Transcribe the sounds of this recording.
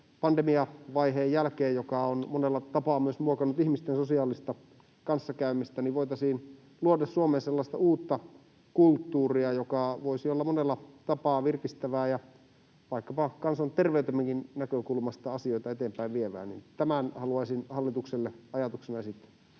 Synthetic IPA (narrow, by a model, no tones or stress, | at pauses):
pɑnd̪emiɑʋɑiɦeːjjælkeːjjokɑonmonelːɑt̪ɑpɑːmyøsmuokɑnːˑut̪ihmist̪ensosiɑːlist̪ɑ | kɑnsːɑkæymist̪æniʋoit̪ɑsiːn | luodɑssuomeːselːɑst̪ɑ̰uːt̪ːɑ | kult̪ːuːriɑjokɑʋoisiolːɑmonelːɑt̪ɑpɑːʋirkist̪æʋæːjɑ | ʋɑikːɑpɑkɑnsont̪erʋeyt̪emːæŋkinnækøkulmɑst̪ɑɑsioit̪ɑet̪eːmpæiʋʋieʋæ̰ːnḭnt̪æmænhɑluɑisinhɑlːit̪ukselːeɑjɑt̪uksenɑjɑsit̪ː